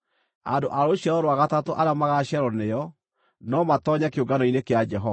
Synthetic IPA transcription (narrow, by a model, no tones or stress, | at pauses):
a̰ndoʔaɾoɕaɾɔɾoaɣatatoʔaɾamaɣaɕɛɾɔnejɔ | nɔmatɔɲakeoɡanɔinekead͡ʒɛɦɔa